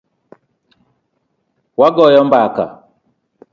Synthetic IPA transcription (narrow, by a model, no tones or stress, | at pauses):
waɡɔjɔmbaka̰